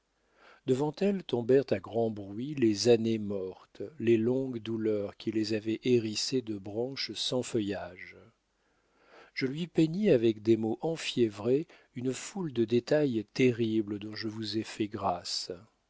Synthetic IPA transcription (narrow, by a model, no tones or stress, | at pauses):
d̪əvɑ̃t̪ɛlt̪ɔ̃bɛʁt̪aɡʁɑ̃bʁɥilezanemɔʁt̪lelɔ̃ɡd̪ulœʁkʲʰilezavɛʔeʁised̪əbʁɑ̃ʃsɑ̃fəjaʒ | ʒ̥əlɥipeɲiavɛkd̪emoʔɑ̃fjɛvʁe | ynfuld̪əd̪et̪ajt̪eʁibləd̪ɔ̃ʒəvuzɛfɛɡʁas